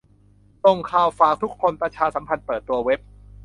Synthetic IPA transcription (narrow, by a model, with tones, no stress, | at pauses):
t̪o˧ŋkʰaː˧˩wfaː˨˩k̚t̪ʰu˦˥kʰːo˧npɾa˧t͡ɕʰaː˧sa˩˦mpʰa˧npɤː˨˩t̪ːu˧ɐwe˦˥p̚